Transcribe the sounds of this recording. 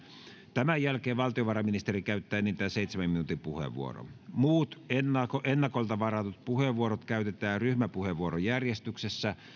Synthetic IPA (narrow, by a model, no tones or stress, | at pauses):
t̪æmæjælkeːʋʋɑlt̪ioʋɑrɑminist̪erikæyt̪ːæːniːnt̪æːseit̪semæminuːt̪impuhḛʋʋṵo̰ro̰muːt̪enːɑkoʔenːɑkolt̪ɑʋɑrɑt̪ut̪̚puheʋːuoɾot̪kæyt̪et̪æːryhmæpuheʋuoɾojærjest̪yksesːæ